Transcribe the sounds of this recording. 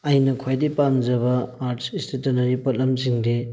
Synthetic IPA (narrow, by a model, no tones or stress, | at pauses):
ɐjnɐkʰajdipamd͡ʒɐbɐaɾtsistetɐnɐɾipɐt̚lɐmsiŋde